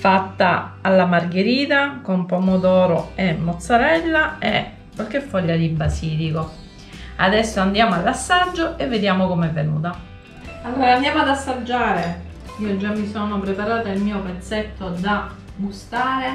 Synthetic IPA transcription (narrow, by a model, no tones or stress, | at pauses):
fat̪ːaalːamarɡeɾiːt̪akompomod̪ɔːɾoemːot̪sːaɾɛlːaḛ | kwalk̟efːɔʎːad̪ibasiːliko | a̰d̪ɛsːoand̪jaːmoalːasːad͡ʒːoʔevːed̪jaːmokomɛvːenṵːt̪a | alːoɾːɾand̪jamoad̪asːad͡ʒːaːɾe | iːod͡ʒːamːisonopɾepaɾaːt̪ailmiːopet̪set̪ːod̪abust̪aːɾe